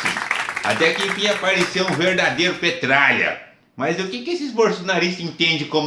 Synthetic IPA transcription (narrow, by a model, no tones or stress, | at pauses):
ḭ̃a̰t̪ɛkẽj̃pĩɲapaɾesewũveɾd̪ad̪ejɾʊpet̪ɾaʎɐ̰ | mɐzʊkɪkɪesɪizboɾsonaɾis̬t̪ɐẽt̪ẽnd͡ʒɪkõm